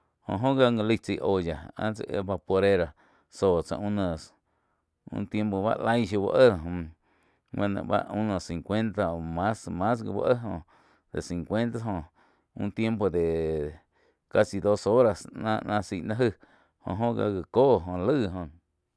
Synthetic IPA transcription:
hõ̰˨ʔɦõ˦ɡa˧ŋə˧li˧˦t͡si˧˨ʔo˨ja˨ã̰˦t͡se˧˨ʔḛ˧ba˧po˧ɾe˦ɾa˧ | soː˨t͡sã̰˧ʔũ˦nə̃˨s | ṵ̃˧˦t̪je˧mpo˧ba̰˦ʔla˦jʃu˧ba̰˧ʔə˦˨ɦõ˧ | wã˧˨nã̰˧ʔba̰˦ʔũ˦nə̃˧˨sĩ˨ŋkʷe˦nt̪a˧o˨mã˦smã˦s̬ɡḭ˧ba̰˦ʔə˦ɦõ˧ | d̪ḛ˨si˨ŋkʷe˦nt̪a˦ɦõ˧˨ | ũ˦t̪je˦mpo˧d̪e˨ | ka˧si˧d̪o˦so˦ɾa˧snã̰ː˧ʔnã˧si˧˨nã˦ɦɨ˦˧ | hõ̰˧ʔɦõ˦ɡa̰˧ɡə˨koː˦ɦõ˧lɨː˦˨ɦõ˧

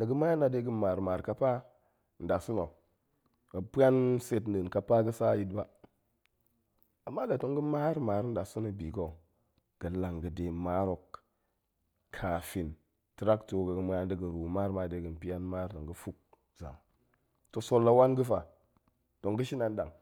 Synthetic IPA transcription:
na˨ɡə˦ma˦a˦na˨de˦ɡɨ˦ma˨ɾma˨ɾka˦pa˦˨ | n̩˨da˨su˦no˨ | ɡa˨pi˦a˦nse˨tn̩˨də˨ka˨pa˦ɡə˦sa˦ji˦tba˨ | a˨mːa˦da˨to˦ŋɡə˦ma˦ɾma˨ɾn̩˦da˨su˦no˨bi˨ɡo˨ | ɡ̥ə˨la˨ŋɡə˨de˨ma˦ɾo˨k | kʰa˨fi˨n | tɾa˦kto˨˦ɡa˨ɡə˦ma˦a˦ndə˦ɡə˨ɾu˨ma˦ɾma˨de˨˦ɡɨ˨n˨pi˦ja˦nma˦ɾta˨ŋɡə˦fu˦k̚ | za̰˨ | to˨so˦lːa˦wa˦nɡə˦fa˨ | to˨ŋɡə˦ʃi˦na˨n˦da˨ŋ

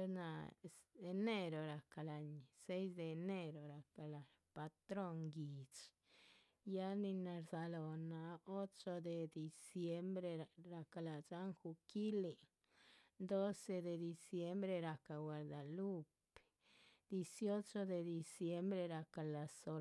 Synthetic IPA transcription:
e˦na˧ | e˧ne˦ɾo˨ɾa˨ka˨la˨ɲse˦js̬d̪e˧ne˦ɾo˨ɾa˨ka˨la˨ | pa˧t̪ɾo˦ŋɡi˨t͡ʃ | ja˦ni˧na˨˧ɾza˧lo˨na˨o˦t͡ʃo˧d̪e˨d̪i˨sje˧˦mbɾe˧ɾa˧ka˨la˨d͡ʒa˦ŋxu˧ki˦li˨ | d̪o˦se˧d̪e˨d̪i˨sje˦mbɾe˧ɾa˨ka˨we˨ɾd̪a˨lu˦p | d̪̥i˧sjo˦t͡ʃo˧d̪e˨d̪i˨sje˦mbɾe˧ɾa˨ka˨la˨˧so˧

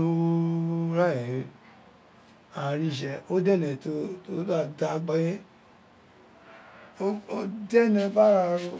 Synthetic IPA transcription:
o˦ | ɾa˦˨ɛ̃˨ | a˨ɾi˦˨ʃ̬ɛ˧o˦dɛ˦˨nɛ̃˨to˧to˦da˦˨da˨ɡ͡ba˧jɛ˦ | o˦o˦dɛ˦˨nɛ̃˧ba˦ɾa˧ɾo˧

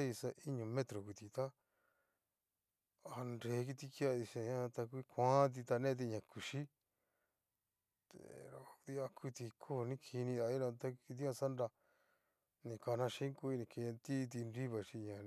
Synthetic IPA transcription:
e˦i˧sa˧ʔi˦ɲũ˨mẽ˦t̪ɾo˨ku˧t̪i˨t̪a˦ | a˧nɾe˨˦k̬i˧t̪i˧ki˦a˧ði˧ʃe˧˨ɲã˦˧t̪a˧kʷi˦kʰʷã˦t̪̬i˧t̪a˧nẽ˦t̪̬i˧ɲã˨ku˨ʃi˦ | t̪ḛ˨ɾo˨˧d̪i˦a˧kʰu˦t̪i˧kʰo˦˨nĩ˦kʰi˧nĩ˧ða˧i˦ɾã˧t̪a˦˧ki˧t̪i˦ã˧sa˦nɾa˧ | nĩ˧ka˧nã˧ʃĩ˦ŋku˧i˧nĩ˧˨ke˧ã˧nt̪i˦˧t̪̬i˧nɾi˦βa˨ʃi˧ɲã˨

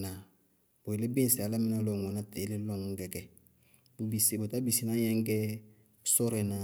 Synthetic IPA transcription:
na˨ | bo˨e˨le˦bẽ˦se˨a˨la˦mĩ˦na˨lo˨ŋɡɔ˨na˦te˨˦le˦lɔ̃˦˨ŋu˨ŋ˦kɛ˨kɛ˨˦ | bi˨si˨bo˨ta˦bi˨si˦nã˦ɲɛ̃˦ŋ˦kɛ˦ | sɔ˦ɾe˨na˨

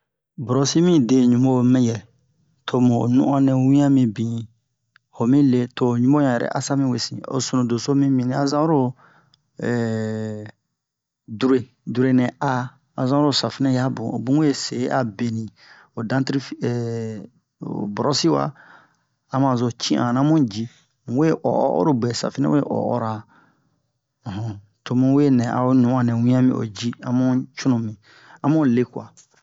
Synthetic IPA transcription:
bɔ˨ɾɔ˨si˦mĩ˦de˨ɲũ˨mo˦˨mɛ̃˦jɛ˨ | tʰo˦˨mṵ̃˨nṵ̃˦ʔã˦nɛ̃˨wĩ˦ã˦mĩ˨bĩ˨ | ho˨mĩ˦le˦to˨ɲũ˦bo˦ɲã˨ɛ˨ɾɛ̰˨ʔa̰˦sa˦mĩ˦we˨sḭ̃˨o̰˨su˨nũ˨do˨so˦mĩ˦mĩ˨nĩ˨a˦zã˦ɾo˦ | ɛ˨ | du˦ɾe˨ | du˨ɾe˨nɛ̃˨a˦ | a˨zã˦ɾo˦sa˨fi˦nɛ̃˦ja˦bũ˨o̰˨bũ˦e˦se˨˦ʔa˨be˨nĩ˨ | o˨dã˦ti˦ɾi˦fɛ˨ | o̰˨bɔ˨ɾɔ˦si˦wa̰˦ | a˦mã˨zo˨t͡ʃĩ˦ʔã̰˨nã˦mũ˦d͡ʒi˦˨ | we˦ʔɔ̰˨˦ʔɔ̰˦ɾo˦bɛ˨sa̰˨fi˦nɛ̰̃˦we˦ʔɔ̰˨ɔ̰˦ɾa˨ | ɦɔ̃˨ | to˨mũ˦we˦nɛ̃˨a̰˨o˦nũ˨˦ã˦˨nɛ̃˨wĩ˦ã˦mḭ̃˦˨o̰˨d͡ʒi˦ã̰˦mũ˦t͡ʃũ˦nũ˨mĩ˨ | ã˦mõ˦le˦kwa̰˨

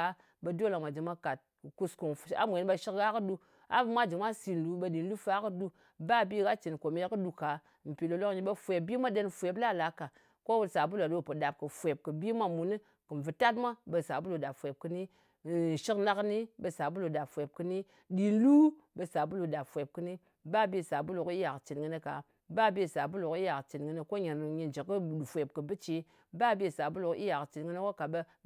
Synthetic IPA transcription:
a˨ | ɓe˨do˦lo˨mʷa˨d͡ʒi˨ma˦ka˨t̚ku˧sko˨ŋ˨a̰˦mʷ˨e˨n˦ɓa˧ʃi˦kɣa˦kɨ˦ɗu˧ | a̰˦vɨ˨mʷa˦d͡ʒi˨ma˦si˨n˨lu˨ɓe˧˦ɗi˨n˦lu˦fa˦kɨ˦ɗu˦ | ba˦bi˦ɡa˦t͡ʃi˨nko˨m˦e˦kɨ˦ɗu˨ka˨ | m̩˨pi˨lo˨lo˦kɲi˦ɓe˦fʷe˨bi˦ma˦ɗe˦nfʷe˨p̬la˦˨la˨˦ka˨ | ko˦wu˦sa˨bu˦la˨lo˦˨pɨ˨ɗa˨p̚kɨ˨fʷe˨p̚kɨ˨bi˦mʷa˦mu˨nɨ˦ | kɨ˨m˨vɨ˨ta˦tmʷa˦bə˧sa˨bu˦lu˨ɗa˨pfʷe˨p̚kɨ˧ni˦˨ | ʃi˦kna˦kni˦bə˧sa˨bu˦lu˨ɗa˨pfʷe˨p̚kɨ˧ni˦ | ɗi˦lu˦ | bə˧sa˨bu˦lu˨ɗa˨pfʷe˨p̚kɨ˦ni˦ | ba˦bi˦˨sa˨bu˦lu˨ki˦ja˨kt͡ʃi˨nɡɨ˧ni˦ka˨ | ba˦be˦˨sa˨bu˦lu˨ki˦ja˨kt͡ʃi˨nɡɨ˧ni˦ko˦ɲi˨n˨ɲi˧n˨d͡ʒi˨kːɨ˦˨fʷe˨p̚kɨ˨bɨ˦t͡ʃe˨˦ | ba˦be˦˨sa˨bu˦lu˨ki˦ja˨kt͡ʃi˨nŋɨ˦ni˦ko˦ka˨ɓe˧

